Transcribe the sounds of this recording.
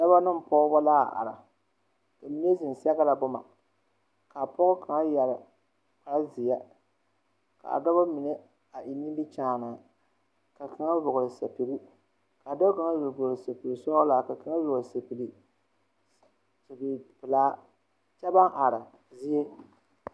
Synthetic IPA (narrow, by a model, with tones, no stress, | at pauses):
da˦ba˦nɨ˦m˨pɔː˦ba˦laː˦˨ʔa̰˨ɾa˨ | ka˨mi˦ne˦zi˨sa˦ɣa˦la˨bʊ˦ma̰˨ | ka˨pɔ˦ɣʊ˦ka˨ŋa˦ja˨ɾ | pa˨ɾa˦zi˨ja˦ | ka̰˨a̰˨da˦ba˦mi˨ne˦ | a˨ʔi˨ni˦bi˦t͡ʃaː˦˨na˨ | ka˨kɪ˨ŋa˦vʊ˨ɣʊ˨ɾɨ˨sa˨pi˨ɾi˦ | ka˨a˨da˦ka˨ŋa˦jʊ˨ɡo˨sa˨pi˨li˨sɔ˦laː˨ka˨ka˦ŋa˦vʊ˨ɣse˨pi˨li˨ | sa˨be˨pɨ˨laː˦ | t͡ʃa˦ba˦ŋʔa˨ɾa˨ | zi˦je˦